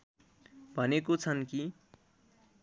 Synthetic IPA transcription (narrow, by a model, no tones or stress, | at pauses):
bʱʌnekot͡sʰʌnki